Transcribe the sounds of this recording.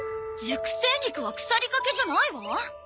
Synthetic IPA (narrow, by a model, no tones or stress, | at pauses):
d͡ʑɨkɯ̟̥se̞ːɲ̟ikɯ̟βakɯ̟̥saɾʲikake̞ʑanaiβa